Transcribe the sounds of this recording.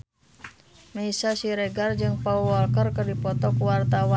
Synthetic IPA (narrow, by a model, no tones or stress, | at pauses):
meisasiɾɛɡard͡ʒɨŋpauwɔlkərkərdipɔt̪ɔkuwart̪awa